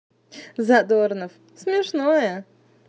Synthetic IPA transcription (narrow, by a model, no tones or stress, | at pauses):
zɐd̪ornəf | smʲɪʂnojə